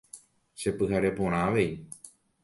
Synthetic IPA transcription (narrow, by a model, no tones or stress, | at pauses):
ʃe̞pɨɦaɾe̞põ̞ɾ̃ãʋe̞i